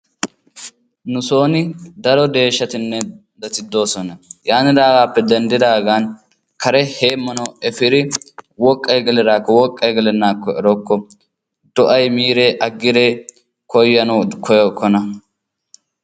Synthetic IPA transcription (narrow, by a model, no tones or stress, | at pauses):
nʊso̞ːnɪd̪ɐɾɔd̪e̞ːʃːɐt̪ɪnːɛ | d̪ɐt̪ɪd̪ːo̞ːsɔnɐjaːnɪd̪aːɡaːpːɛd̪ɛnd̪ɪd̪aːɡaːn | kɐɾɛheːmːɐnɐɛfɪɾɪwɔkʼːɐjɡɛlɛd̪aːkːɔwɔkʼːɐjɡɛlɛnːaːkːɔɛɾɔkːɔ | d̪̥ɔʔɐjmiːɾeʔɐɡːɪɾeː | kɔjːɐnukʰɔjɔkːɔnɐ